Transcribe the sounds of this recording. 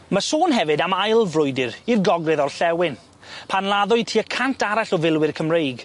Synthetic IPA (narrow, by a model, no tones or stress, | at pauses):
məsoːnɦɛvɨdamajlˠvrʊjdɪrirɡɔɡrɪðɔrɬɛwɪn | pʰanlˠaðʊɨtʰiːəkʰantʰaɾaɬɔvɪlˠwɪrkʰəmrejɡ